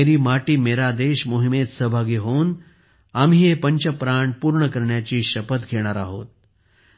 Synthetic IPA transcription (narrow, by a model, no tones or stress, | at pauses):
eɾiːmaʈiːmeɾad̪eɕmoɦimet̪səɦbʱaɡiːɦon | amiːepəɲt͡ɕəpɾaɳʈpuːɾɳəkəɾɳjat͡ɕiːɕəpət̪ɡʱeɽ̃aɾaɦo̰t̪̚